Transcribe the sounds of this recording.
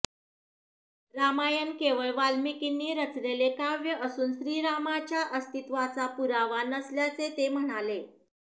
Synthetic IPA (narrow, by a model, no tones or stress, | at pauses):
ɾamajənkeʋəɭʋalmikinːiːɾət͡slelekaʋjəʔəsuːnɕɾiːɾamat͡ɕjaʔəst̪it̪ʋat͡sapuɾaʋanəsljat͡set̪em̤əɽ̃ale